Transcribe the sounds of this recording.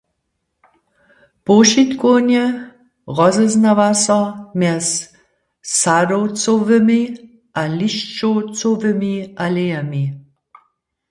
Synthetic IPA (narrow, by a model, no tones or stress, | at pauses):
poʃit̪konɛ | ʁɔzɛznaʋasɔmjɛs | sadowt͡sovəmi | ʔaliʃt͡ʃowt͡sovəmiʔalejami